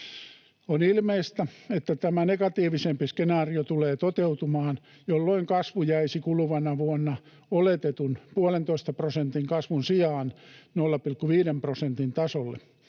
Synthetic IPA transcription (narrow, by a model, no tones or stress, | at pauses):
onilmeist̪æet̪ːæt̪æmænekɑt̪iːʋisempiskenɑːriot̪uleːt̪ot̪eut̪umɑːn | jolːoiŋkɑsʋujæisikuluʋɑnɑʋuonːɑ | olet̪et̪unpuolent̪oist̪ɑprosent̪iŋkɑsʋunsiɑːnnolːɑpilkːuʋiːdemprosent̪int̪ɑsolːḛ